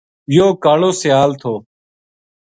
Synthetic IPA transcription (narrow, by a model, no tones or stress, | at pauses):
joːkaːɭoːsɪjaːlt̪ʰoː